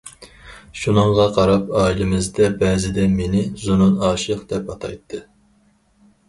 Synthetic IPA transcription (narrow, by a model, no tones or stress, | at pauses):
ʃunɨɴʁɑqʰɑɾɑpɑːilɪmɪzd̪ɛbɛːzɪd̪ɛmenɪzununɑːʃqd̪̥ɛpɑt̪ʰɑ̰jt̪ʰːɨ